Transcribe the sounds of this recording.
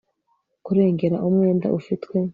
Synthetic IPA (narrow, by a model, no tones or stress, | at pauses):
kuɾe̞ːŋɡe̞ɾaʔumŋe̞ːnda̰ʔufitkwe̞